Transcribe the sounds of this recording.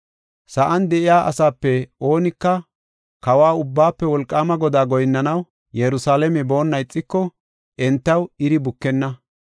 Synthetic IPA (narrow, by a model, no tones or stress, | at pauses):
sɐʔɐnd̪ɛʔɪjaːʔɐ̰saːpːɛo̞ːnɪkːɐ | kɐwaːʊbːaːpːɛwɔlkʼːaːmɐɡɔd̪aːɡɔjnːɐnɐw | jɛɾʊsaːlɛmɛbo̞ːnːɐjɪt͡sʼːɪkːɔ | ʔɛnt̪ːɐwɪɾɪbʊkːɛnːɐ